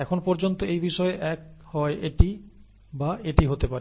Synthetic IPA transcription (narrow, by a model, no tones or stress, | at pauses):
ɛkʰonpɔɾd͡ʑont̪oejbiʃɔeʔɛk̚hɔeʔeʈi | baeʈiɦot̪epaɾe